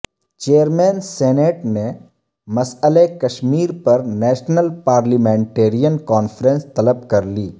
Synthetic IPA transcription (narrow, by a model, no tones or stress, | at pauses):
t͡ʃeːəɾmeːnseːneːʈne | mɐsəlekɐʃmiːɾpɐɾnɛːʃnəlpaːɾlimẽːɳʈeːɾijənkaːnfʰɾẽnst̪ɐləb̚kɐɾliː